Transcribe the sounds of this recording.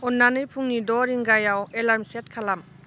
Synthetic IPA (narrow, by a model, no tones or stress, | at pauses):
ɔnːanɯjpʰuŋnidɔɾiŋɡajawelaɾmset̚kʰalam